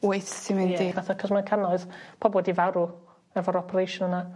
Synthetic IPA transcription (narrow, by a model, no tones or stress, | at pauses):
wejθsɪnwɪndivaθakʰɔsmankʰanɔɨðpʰɔbwɛdivawɾu | ɛvɔɾɔpʰəɾejʃɔnəna